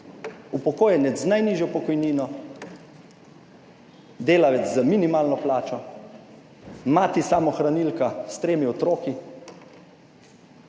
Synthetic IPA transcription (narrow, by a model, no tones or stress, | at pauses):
upɔkoːjɛnɛt͡s̪znajniʒjɔpɔkɔjniːnɔ | d̪eːlaʋɛt͡s̪zaminimaːlnɔplaːt͡ʃɔ | maːt̪isamɔxɾanilkast̪ɾeːmiɔt̪ɾoːki